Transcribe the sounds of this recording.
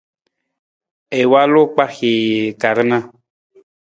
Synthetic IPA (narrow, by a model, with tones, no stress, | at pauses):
e˨wa˦lo˦k͡pa˦xe˨ka˨ɾe˦nã˦